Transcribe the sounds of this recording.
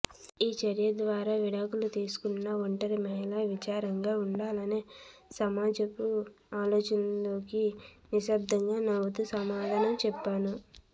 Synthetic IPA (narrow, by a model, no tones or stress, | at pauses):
iːt͡ʃɐɾijɐd̪ʋaːɾaːʋiɽaːkulut̪iːsu̥kunːɐʋɐɳʈɐɾimɛːlɐʋit͡ʃaːɾɐŋɡaːuɳɖaːlɐneːsɐmaːd͡ʒɐku | aːlo̞ːt͡ʃɐnloːkiniʃɐb̚d̪ʱɐŋɡaːnɐʋut̪usɐmaːd̪ʱaːnɐmt͡ʃɛpːaːnu